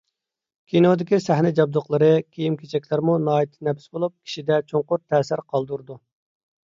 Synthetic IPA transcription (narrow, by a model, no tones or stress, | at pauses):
kʲʰinod̪ɪkʲisæhnɪd͡ʒɑb̚d̪ʊqlˠəɾɨkʲʰejimkʲʰet͡ʃʰɛkʲlæɾmunɑːjit̪ʰːnɛpsbolˠup̚kʲʰi̥ʃid̪ɛt͡ʃʰoŋqʊɾt̪ʰːɛːsɪɾqʰɑlˠd̪uɾd̪u